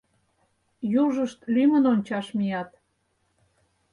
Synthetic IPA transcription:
juʒəʃt̪lymənonʲt͡ɕɑʃmijɑt̪

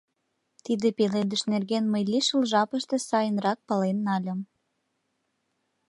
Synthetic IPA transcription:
t̪id̪epeled̪əʃnerɣenməjlʲiʃəlʒɑpəʃt̪ĕsɑjənrɑk̚pɑlenːɑlʲə̆m

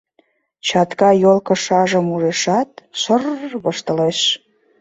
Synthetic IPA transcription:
t͡ɕɑt̪kɑjolkə̆ʃɑʒə̆muʒeʃɑt̪̚ʃərβəʃt̪ə̆leʃ

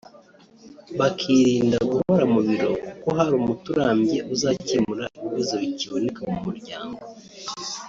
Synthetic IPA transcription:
βakʰiɾiːndaɡuhoɾamuβiɾo̞kukoɦaɾuːmutuɾaːmɟe̞ʔuzacimuɾaiβiβazoβiciβone̞kamumuɾɟaːŋɡo

